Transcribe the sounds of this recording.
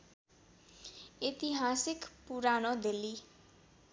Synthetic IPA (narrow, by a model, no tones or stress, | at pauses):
it̪iɦasikpuɾanʌd̪elːi